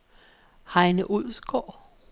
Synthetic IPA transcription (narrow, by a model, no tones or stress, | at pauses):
hɑ̈ɪnəʔuð̰ˠsɡ̥ɒ̰ː